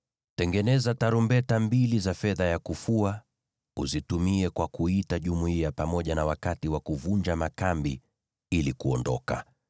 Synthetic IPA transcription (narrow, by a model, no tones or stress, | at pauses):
tɛŋɡɛnɛzataɾumbɛtambilizafɛðajakufua | ṵzitumiɛkwakuitaʄumuiapamɔʄanawakatiwakuvuɲd͡ʒamakambḭ | ilikuɔndɔka̰